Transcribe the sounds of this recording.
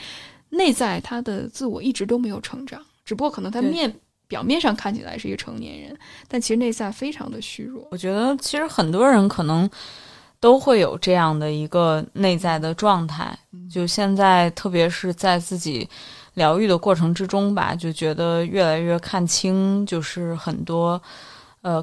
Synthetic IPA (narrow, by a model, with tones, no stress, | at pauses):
ne˥˧ɪt͡sa˥˩ɪt̪ʰa˥d̪ə̰˨t͡sɹ̩˥˩wɔ̰˨˩i˥˩ʈ͡ʂɻ̩˧˥t̪o˥ʊme˧˥ɪjo˨˩ʊʈ͡ʂʰɤ̰˧˥ŋʈ͡ʂɑ˨˩˦ŋʈ͡ʂɻ̩˨˩pu˧kwɔ˥kʰn˧˥ŋt̪ʰa˥mjɛ˥˩n | pjɑ˨˩ʊmjɛ˥˧nʂɑ˥˧ŋkʰa˥˩nt͡ɕʰi˨˩la˧˥ʂɻ̩˥˩˧ɡə˧˩ʈ͡ʂʰɤ˧˥ŋnjɛ̰˧˥nɻə̰˧˥nt̪a˥˩nt͡ɕʰi˧˥ʂɻ̩˧ne˥˧ɪt͡sa˥˩ɪfe˥ɪʈ͡ʂʰɑ̰˧˥ŋd̪ə˧ɕy̰˥ɻwɔ̰˥˩wɔ˨˩t͡ɕɥɛ˧˥d̪ə˧t͡ɕʰi˧˥ʂɻ̩˧˥xə˨˩nt̪wɔ˥ɻə˧˥nkʰɤ˨˩nɤ˧˥ŋ | t̪o˥ʊxwe˥˩ɪjo˨˩ʊʈ͡ʂɤ˥˧jɑ˥˩ŋd̪ə˩i˧˥ɡə˧ne˥˧ɪt͡sa˥˩ɪd̪ə˩ʈ͡ʂwɑ˥˧ŋt̪ʰa̰˥˩ɪt͡ɕjo˥˧ʊɕjɛ˥˧nt͡sa˥˧ɪt̪ʰɤ˥˩p̬jɛ˧˥ʂɻ̩˥˧t͡sa˥˧ɪt͡sɹ̩˥˩t͡ɕḭ˨˩˦ | ljɑ˧˥ʊy˥˩d̪ə˩kwɔ˥˩ʈ͡ʂʰɤ˧˥ŋʈ͡ʂɻ̩˥ʈ͡ʂʊ˥ŋba̰˨˩t͡ɕjo˥˩ʊt͡ɕɥɛ˧˥d̪ə˧ɥɛ˥˩la˧˥ɪɥɛ˥˧kʰa˥˩nt͡ɕʰi˥ŋt͡ɕjo˥˧ʊʂɻ̩˥˩xə˨˩nt̪wɔ˥ | ə˧